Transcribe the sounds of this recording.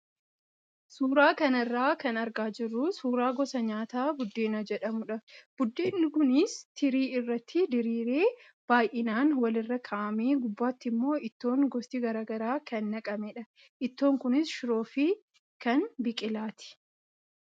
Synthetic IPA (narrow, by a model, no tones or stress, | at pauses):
suːɾaːkɐnɐrːaːkɐnɐɾɡaːd͡ʒɪrːʊsuːɾaːɡɔsɐɲaːt̪aːbʊd̪ːeːnɐd͡ʒɛᶑɐmʊᶑɐb̥ʊd̪ːeːnːɪkʊnɪst̪ʰɪɾiːɪrːɐt̪ʰːɪd̪ɪɾiːɾeː | b̥aːjʔɪnaːnwɐlɪrːɐkʰaʔɐmeːɡʊbːaːt̪ːɪmːo̞ːʔɪt̪ːo̞ːŋɡɔst̪iɡɐɾaːɡɐɾaːkɐnːɐkʼɐmɛːᶑɐ | ʔɪt̪ːo̞ːŋkʊnɪsʃɪɾo̞ːfiː | kɐnbɪkʼɪlaːt̪ɪ̥